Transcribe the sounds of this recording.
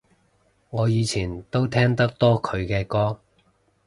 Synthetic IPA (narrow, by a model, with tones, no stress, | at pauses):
ŋɔː˨˧jiː˨˧t͡sʰiː˨˩nt̪o˥wt̪ʰɛː˥ŋt̪ɐ˥k̚t̪ɔː˥kʰɵ˨˧ɥkɛː˧kɔː˥